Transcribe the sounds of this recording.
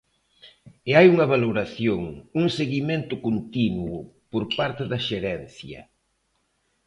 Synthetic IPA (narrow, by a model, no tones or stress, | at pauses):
eajuŋɐβaloɾaθjoŋuŋseɣiment̪ʊkont̪inwʊpoɾpaɾt̪ɪðɐʃeɾɛnθjɐ̰